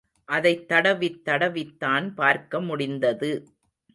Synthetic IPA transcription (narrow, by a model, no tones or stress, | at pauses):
ʔɐðɐɪt̪ːɐɽɐʋɪt̪ːɐɽɐʋɪt̪ːaːnpaːɾkɐmʊɽɪnd̪ɐðɯ